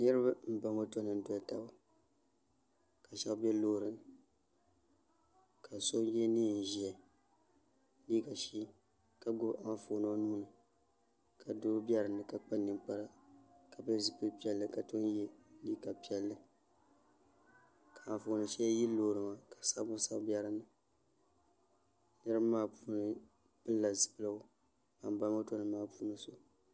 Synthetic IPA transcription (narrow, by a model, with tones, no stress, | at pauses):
nɨ˦ɾɨ˦ba˦m̩˦ba˨ŋo˦to˦nɨ˨n̩˦to˨a˨ta˦ba˦ | ka˨ʃɛ˦bɛ˦loː˦˨ɾɨ˨n˨ | ka˨so˦jɛ˦niː˦˨n̩˨ʒi˨ɛ˨ | liː˦ka˨ʃiː˦ | ka˨ɡʊ˦ba˦foː˨nɨ˦a˦nu˦nɨ˨ | kʰa˨do˦bi˦ɛ˦ɾɨ˨nɨ˨ka˨k͡pa˦nɨ˨ŋk͡pa˦ɾa˦ka˨bɛ˦zɨ˨pɨ˦pi˦ɛ˦lːɨ˦ka˨to˦njɛ˦liː˦ka˨pi˦ɛ˦lːɨ˦ | ka˨a˨fo˨˦nɨ˨ʃɛ˦ji˦loː˨ɾɨ˨ŋa˨kḁ˨sa˦bʊ˦sa˦bbi˦a˦ɾɨ˦nɨ˨ | nɨ˦ɾɨ˦maː˦puː˦nɨ˦ | pɨ˦lːa˨zɨ̥˨pɨ˦la˦o˦ | a˨mba˦la˦to˦nɨ˨maː˦puː˦nɨ˦so˦